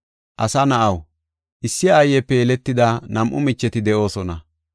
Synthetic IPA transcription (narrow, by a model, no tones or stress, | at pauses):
ʔɐsɐnɐʔɐw | ʔɪsːɪːjːɛpːɛjɛlɛt̪ːɪd̪ɐnɐmʔʊmɪt͡ʃːɛt̪ɪd̪ɛʔo̞ːsɔnɐ